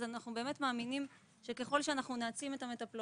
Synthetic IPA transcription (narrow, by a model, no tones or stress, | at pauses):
zanaχnube̞me̞tmaːminim | ʃeke̞χo̞lʃeanaχnuneat͡simetame̞tapl